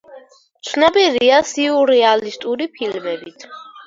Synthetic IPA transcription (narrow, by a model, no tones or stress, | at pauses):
mt̪sʰnabiɾiasiuɾɛalist̪ʼuɾipʰilmɛbit̪ʰ